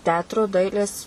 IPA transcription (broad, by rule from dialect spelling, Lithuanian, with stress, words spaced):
ˈtʲɛɐtrʊ ˈdɐɪlʲeːs